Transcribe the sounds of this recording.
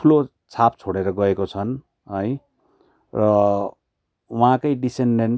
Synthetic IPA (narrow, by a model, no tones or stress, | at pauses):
tʰulo | t͡sʰap̚t͡sʰoɽeɾʌɡʌekot͡sʰʌn | ɦʌj | rʌ | wʌɦãkʌjɖiseɳɖen